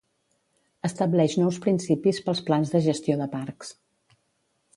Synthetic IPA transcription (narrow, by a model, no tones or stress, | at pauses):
əst̪əblɛʃnɔwspɾinsipispəlˠsplanzðəʒəst̪ioðəpaɾks